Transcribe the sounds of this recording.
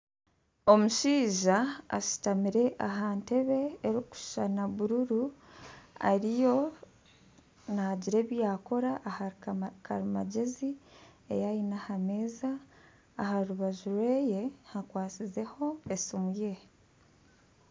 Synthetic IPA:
o̞muʃiːʒa̰ːʃi̥tamiɾe̞ʔaɦaːnte̞βe̞ːɾiku̥ʃʃanaβuɾuɾu | a̰ɾijo̞ | naɟiɾe̞ːβjaːko̞ɾaʔːhakʰaɾima̰ɟe̞ziḛjajinahame̞ːzaː | haɾuβaʒuɾwe̞ːje̞hakwaːt͡size̞ho̞esimuje̞

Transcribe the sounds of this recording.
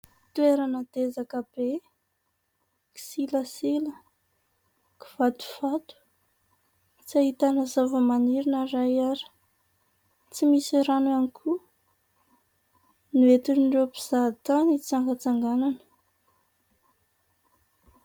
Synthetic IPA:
t̪ueɾanəd̪̥ezakab̥e | ki̥siləsilə | ki̥v̥at̪u̥vat̪u̥ | t͡saɦit̪anazavəmaniɾinaɾajaɾi̥ | t͡simisiɾanuanikʰu | niet̪inɖ͡ʐepiz̥at̪anit͡saŋɡat͡saŋɡananə̥

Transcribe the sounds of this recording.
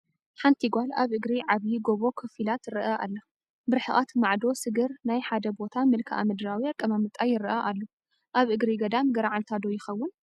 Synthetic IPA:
ħant̪ʰiɡʷalaβʔɨɡɾiʕaβjiɡo̞βo̞kʰɨfilat̪ɾɨʔaʔa̰lːo | bɨɾħɨʔʼat̪maʕd̪o̞sɨɡɨɾnajħad̪ɐbo̞t̪ʰamɨlkʰɐʔa̰mɨd̪ɨɾawiakʼːɐmamɨt̪ʼajɪɾʔaʔalːo | ʔaβʔɨɡɾiɡɐd̪amɡɐɾaʕalt̪ʰad̪ojɪxɐwːʊn

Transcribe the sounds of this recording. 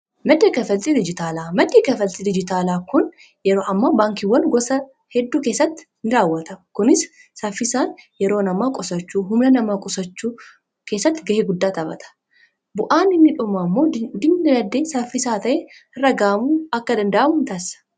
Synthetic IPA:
mɐd̪eːkɐfɐlt̪ʼid̪ɪd͡ʒɪt̪aːlaːmɐd̪eːkɐfɐlt̪ʼid̪ɪd͡ʒɪt̪aːlaːkʊn | jɛɾoːʔɐmːaːbaːŋkiwːɐnɡɔsɐ | hɛd̪ːuːkeːsːɐt̪ːɪ̥ | nɪɾaːwːɐt̪ɐmkʊnɪsː | ɐfːɪsaːnjɛɾoːnɐmaːkʼɔsɐt͡ʃːuːɦʊmlɐnɐmaːkʼɔsɐt͡ʃːuː | ke̞ːsːɐt̪ːɪɡɐheːɡʊd̪ːaːt̪ɐbɐ̰t̪ɐ̥ | bʊʔaːnɪnːɪᶑʊmamːo̞ːd̪ɪmːɐlɐd̪ːeːsɐfɪsaːt̪ɐʔɛɪrːɐɡaːmuːɐkːɐd̪ɐnd̪ɐʔɐmʊnt̪ɐsɐ̥

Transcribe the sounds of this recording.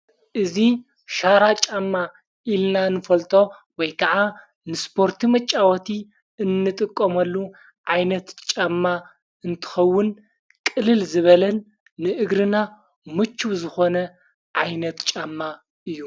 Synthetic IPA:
ʔɨzi | ʃaɾat͡ʃʼamːa | ilnanɨfɐlt̪ʼo̞wɔjkʰɐʕa | nɨspʰo̞ɾt̪ʰimɐt͡ʃʼːawɐt̪ʰi | ɨnːɨt̪ʼɨkʼːɐmɐlːu | ʕajnɐt̪t͡ʃʼamːa | ɨnt̪ʰɨ̥xɐwːʊn | kʼɨlɨlzɨβɐlɐnː | ɨʔɨɡɾɨna | mɨt͡ʃʰːuwzɨxo̞nɐ | ʕajnɐt̪t͡ʃʼamːa | ʔɨjːu

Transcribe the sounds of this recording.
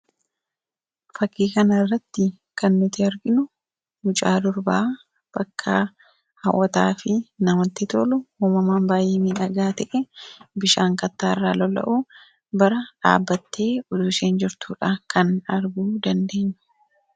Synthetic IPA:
fɐkːiːkɐnɐrːɐt̪ːɪ | kɐnːɪt̪ɪɐɾɡɪnʊ | mʊt͡ʃʼaːd̪ʊɾbaː | b̥ɐkʰːɐ | hɐ̰wʔːɐt̪a̰ːfɪnɐmɐt̪ːɪt̪o̰ːlʊhuːmɐmaːnbaːjeːmiːᶑɐɡaːt̪ɛʔɛbɪʃaːŋkɐt̪ːaːrːaːlɔlɐ̰ʔuː | bɐɾɐᶑa̰ːbːɐt̪ːe̞ːʊd̪ʊseːnd͡ʒɪɾt̪ṵːᶑaːkʰɐnɐɾɡuːd̪ɐnd̪e̞ːɲːɛ̥

